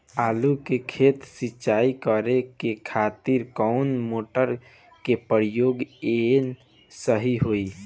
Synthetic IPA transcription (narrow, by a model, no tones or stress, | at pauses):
aːlukekʰeːt̪sɪt͡ʃaːikəɾekekʰat̪iɾkɔʊnmoːʈəɾ | kepəɾjoːɡen | səɦiɦoi